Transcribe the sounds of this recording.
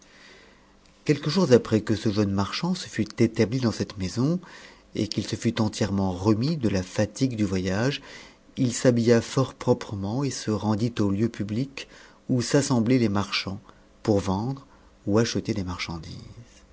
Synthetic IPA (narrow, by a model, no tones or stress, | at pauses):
kʲɛlkəʒuʁzapχɛkəsəʒənmaʁʃɑ̃sə̥fyt̪et̪ablid̪ɑ̃sɛt̪mezɔ̃ | ḛkilsəfyt̪ɑ̃t̪jɛʁmɑ̃ʁəmid̪əlafat̪iɡd̪yvwajaʒ | ilsabijafɔʁpχɔpχəmɑ̃esəʁɑ̃d̪it̪oljøpyblik | usasɑ̃blɛlemaʁʃɑ̃ | puʁvɑ̃d̪ʁ | uaʃət̪ed̪emaʁʃɑ̃d̪ḭːz̥